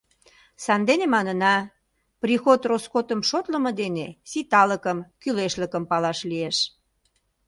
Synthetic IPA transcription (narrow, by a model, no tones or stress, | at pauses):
sɑnd̪enemɑnənɑ | prixot̪roskot̪əmʃot̪ləmɤ̆d̪enesit̪ɑləkəmkyleʃləkəmpɑlɑʃlieʃ